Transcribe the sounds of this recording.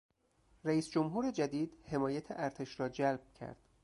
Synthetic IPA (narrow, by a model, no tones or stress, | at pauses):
ræiːsd͡ʒomɦuːɾed͡ʒæd̪iːd̪he̞mɒːjæt̪ʰeʔæɾt̪ʰe̞ʃɾɒːd͡ʒælb̥̚cʰæ̰ɾd̪̥